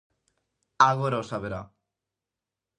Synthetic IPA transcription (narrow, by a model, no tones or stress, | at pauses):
aɣoɾaosaβeɾa